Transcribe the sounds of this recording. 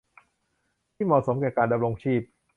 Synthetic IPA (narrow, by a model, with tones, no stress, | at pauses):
t̪ʰiː˥˩mɔː˨˩so˩˦mkɛː˨˩kaː˧nda˧mɾo˧ŋt͡ɕʰiː˥˩p̚